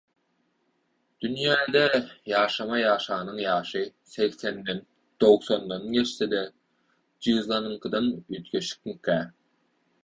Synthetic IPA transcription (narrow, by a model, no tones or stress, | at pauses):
d̪̥ynjæːd̪ejɑːʃɑmɑjɑːʃɑːnɯŋjɑːʃɯ | seɣsenːen | d̪owθond̪ɑnjet͡ʃsed̪e | d͡ʒɯzlˠɑnɯŋkɯd̪ɑnyt̪kʲeʃi̥k̚ŋkæ